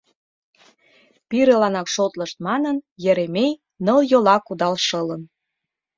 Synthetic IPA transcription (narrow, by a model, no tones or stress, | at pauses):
piɾĕlɑnɑkʃot̪ləʃt̪̚mɑnənjə̆ɾemej | nəljolɑkud̪ɑlʃɤlən